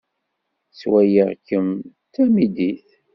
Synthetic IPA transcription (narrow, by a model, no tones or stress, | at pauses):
swæjəʁkəm | t̪æmid̪iθ